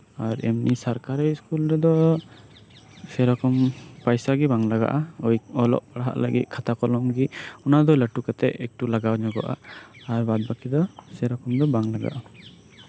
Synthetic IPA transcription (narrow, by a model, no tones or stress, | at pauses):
aɾɛ̰mnisaɾkaɾiskulɾɛd̪ɔ | sɛɾɔkɔmpajsaɡɛbaŋlaɡa̰ʔaɔjɔlɔ̰ʔpaɽɦa̰ʔləɡḭt̪̚kʰat̪akɔlɔmɡiɔnad̪ɔləʈukat̪ɛʔɛk̚ʈulaɡawɲɔɡɔ̰ʔa̰ːɾbad̪̚bakid̪ɔsɛɾɔkɔmd̪ɔbaŋlaɡa̰ʔa